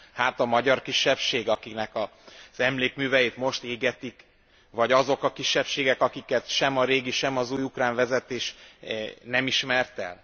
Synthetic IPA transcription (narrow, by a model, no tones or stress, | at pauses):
hat̪ɒmɒɟɒrkiʃːɛpʃeːɡɒkiknɛkɒz̥ɛmleːkmyːvɛjeːt̪mo̞ʃt̪eːɡɛt̪ik | ʋɒɟɒzo̞kɒkiʃːɛpʃeːɡɛkɒkikɛt̪ʃɛmɒɾeːɡiʃɛmɒzuːjukraːɱvɛzɛt̪eːʃ | nɛmiʃmɛrt̪ɛ̰l